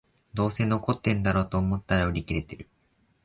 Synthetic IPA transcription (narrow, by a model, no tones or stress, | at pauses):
d̪o̞ːse̞no̞ko̞t̪ːẽ̞nd̪aɾo̞ːt̪o̞ːmo̞t̪ːaɾaɯ̟ɾʲikʲiɾe̞t̪e̞ɾɯ̟